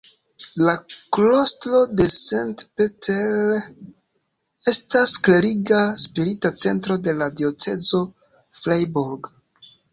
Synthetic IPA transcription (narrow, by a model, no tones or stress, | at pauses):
laklostlo̞de̞sentpetʰel | e̞staskle̞ɾiɡaspiɾitat͡se̞ntɾo̞de̞ladio̞t͡se̞zo̞ | flajboɾɡ